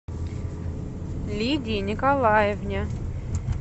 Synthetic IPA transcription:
lʲid̪ʲinʲɪkalˠajevnʲa

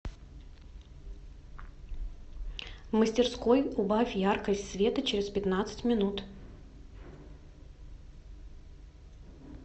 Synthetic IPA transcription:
məsʲtʲɪrsko̞jʊbafʲjarkəsʲtʲsvʲe̞t̪ət͡ɕɪɾʲɪspʲɪt̪nat̪sɨ̥tʲmʲɪnut̪

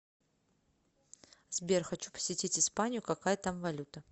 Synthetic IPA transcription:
zbʲerxɐt͡ɕupə̥sʲɪtʲitʲɪspanʲɪjʊkɐkajət̪amvɐlʲut̪ə

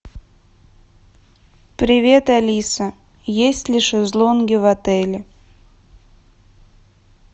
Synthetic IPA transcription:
pɾʲɪvʲe̞t̪alʲisə | jesʲtʲlʲiʃɨzlˠonɡʲɪvat̪ɛlʲɪ

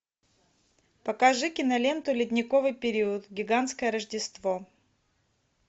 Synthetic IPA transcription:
pɐkaʐɨkʲɪnɐlʲe̞nt̪ʊlʲɪt̪ʲnʲɪkovɨjpʲɪɾʲiʊt̪ɡʲɪɡant̪skəjəɾəʐdʲɪst̪vo

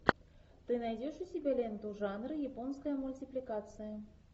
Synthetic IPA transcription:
t̪ɨnɑjdʲeʂusʲibʲelʲent̪uʐɑnrɨjiponskəjəmulʲtʲiplʲikat̪sɨjə

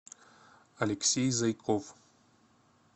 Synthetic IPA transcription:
aleksejzajkʰʼov

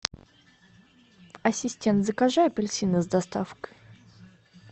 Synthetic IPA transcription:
ɐsʲɪsʲtʲent̪zəkaʐajɛpʲɪlʲsʲinɨzd̪ɐst̪afkə̥j

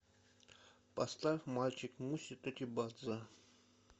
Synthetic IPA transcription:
past̪afʲmalʲt͡ɕɪkmusʲit̪ʼɛt̪ʲibad̪zɨ

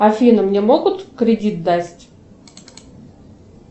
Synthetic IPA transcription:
ɐfʲinɨmnʲemo̞ɡʊt̪kɾʲɪdʲit̪̚d̪asʲtʲ

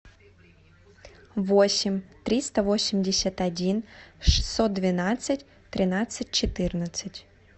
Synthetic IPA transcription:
vo̞sʲɪmʲt̪ɾʲist̪əvo̞sʲɪmʲdʲɪsʲət̪ɐdʲinʂɨ̥sːo̞t̪̚d̪vʲɪnat̪sɨtʲ | t̪ɾʲɪnat̪sɨt̚ʲt͡ɕɪt̪ɨrnət̪sɨtʲ

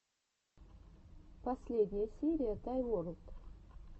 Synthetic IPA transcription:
pɐsʲlʲed̪ʲnʲɪjəsʲiɾʲɪjət̪ajwoɾt̪

